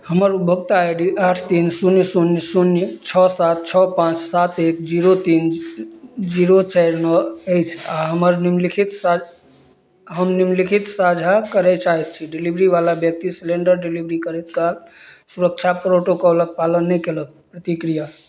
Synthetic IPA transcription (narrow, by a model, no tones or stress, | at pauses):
həməɾubʱəɡt̪ajɖiʔaʈʰt̪insunjəsunjəsunjt͡ʃʰɔsat̪̚t͡ʃʰɔpãt͡ʃsat̪ekd͡ʒiɾot̪in | d͡ʒiɾot͡ʃaɾnɔəjt͡ʃʰaɦəməɾnimlikʰit̪s | ɦəmnimlikʰit̪sad͡ʒʱakəɾɛt͡ʃaɦɛt̪̚t͡ʃʰiɖilibɾibalabjək̚t̪isleɳɖəɾɖilibɾikəɾɛt̪kalsuɾək̚t͡ʃʰapɾoʈokələk̚palənːɛkelək̚pɾət̪ikɾija